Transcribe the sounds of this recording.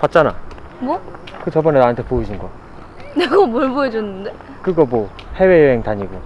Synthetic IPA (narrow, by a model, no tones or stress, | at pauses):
pat̚t͡ɕ͈ana̰ | ɡo | kɯt͡ɕʌbʌnenaɯntʰepoid͡ʑunɡʌ | neɡomoɭboed͡ʑonːɯnde | kɯɡʌmo | he̞wejʌɦeŋtaɲiɡo